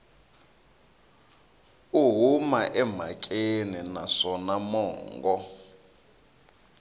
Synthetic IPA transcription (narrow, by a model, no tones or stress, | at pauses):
uɦumaʔɛm̤akʼeninaʂɔnamɔːŋɡɔ